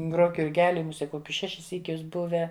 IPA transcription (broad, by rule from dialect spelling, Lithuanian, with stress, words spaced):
ˈɡroːk jʊrʲˈɡʲæːlʲɪ mʊˈsʲiɛ ˈkoːkʲʊs ˈʃʲæːʃʲɪs ˈsʲiːkʲʊs ˈbʊʋʲæː